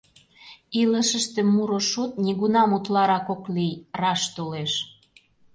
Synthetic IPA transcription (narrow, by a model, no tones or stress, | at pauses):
iləʃəʃt̪ĕmːuɾoʃot̪nʲiɣunɑmut̪lɑɾɑkoklijrɑʃt̪oleʃ